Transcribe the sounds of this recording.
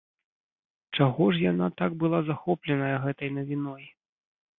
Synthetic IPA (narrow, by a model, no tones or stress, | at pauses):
t͡ʂaɣɔʂjanat̪aɡ̚bɨlˠazaxɔplʲɛnɐjɐɣɛt̪ɐjnɐvʲinɔj